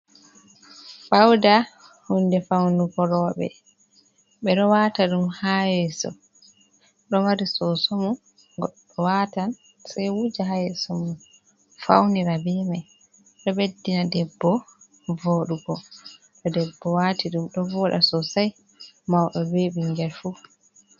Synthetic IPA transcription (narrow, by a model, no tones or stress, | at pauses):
fawda | hundɛfawnuɡɔɾɔɓɛ̰ | ɓɛɗɔwaːtaɗumhajɛsɔ̰ | ɗɔwaɾisɔsɔmu | ɡɔɗːɔwatan | sajwud͡ʒaɦajɛsɔmːu | fa̰wniɾabimaj | ɗɔbedːinadɛbːɔ | voːɗuɡɔ | ɗɔdɛbːɔwaːtʰiɗumɗɔvɔɗa̰sɔsaj | mawɗɔbeɓiŋɡɛlfu